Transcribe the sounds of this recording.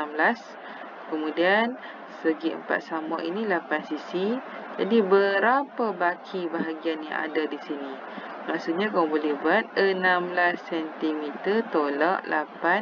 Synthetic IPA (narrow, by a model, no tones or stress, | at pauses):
amblas | kəmũdian | səɡiʔə̰mpa̰t̪̚samɔʔinilapansisi | d͡ʒa̰dibəɾapabakʰibaɦaɡianja̰ŋa̰dadisini | maʔsut̪̚ɲakaubolɛhbuat̪̚ənamblasːɛnt̪imit̪ərt̪olɔʔlapan